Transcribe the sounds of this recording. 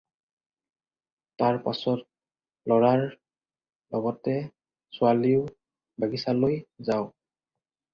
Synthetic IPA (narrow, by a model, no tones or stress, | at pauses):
taɹpa̰sɔt̚ | lɔɹaɹ | lɔɡɔtɛ | sʊaliʊ | baɡisalojzaʊ